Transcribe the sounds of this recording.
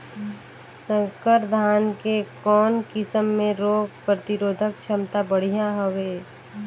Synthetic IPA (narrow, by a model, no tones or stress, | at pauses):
sə̃ŋkəɾd̪ʱaːnkekɔːnkɪsəmːẽɾoːɡ̚pɾət̪ɪɾoːd̪ʱəkt͡ʃʰəmt̪abəɽ̤ijaɦəʋeː